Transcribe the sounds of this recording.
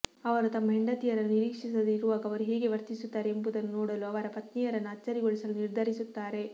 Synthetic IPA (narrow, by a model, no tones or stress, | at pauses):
ɐʋɐɾut̪ɐmːɐɦiɳɖɐt̪ijɐɾɐnːuniɾiːkʂisɐd̪iɾuʋaːɡɐʋɐɾuɦeːɡe̞ʋɐɾt̪isut̪ːaːɾeːmbud̪ɐnːunoːɽɐluɐʋɐɾɐpɐt̪nijɐɾɐnːuɐt͡ʃːɐɾiɡo̞ɭisɐluniɾd̪ʱɐɾisut̪ːaːɾe̞